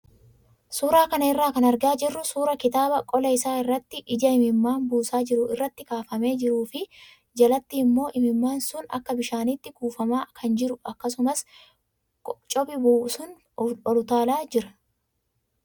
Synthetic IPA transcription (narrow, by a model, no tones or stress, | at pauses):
suːɾaːkɐnɐɪrːaːkɐnɐɾɡaːd͡ʒɪrːʊsuːɾɐkɪt̪aːbɐkʼɔlɐɪsaːɪrːɐt̪ːɪʔɪd͡ʒɐɪmɪmːaːnbuːsaːd͡ʒɪɾʊɪrːɐt̪ːɪkaːfɐme̞ːd͡ʒɪɾuːfɪ | d͡ʒɐlɐt̪ːiːmːo̞ːʔɪmɪmːaːnsʊnɐ̰kːɐbɪʃaːnit̪ːɪkuːfɐmaːkʰɐnd͡ʒɪɾʊʔɐkːɐs̬ʊmɐs | t͡ʃʼɔbɪbuːsʊn | ɔlʊt̪aːlaːd͡ʒɪɾɐ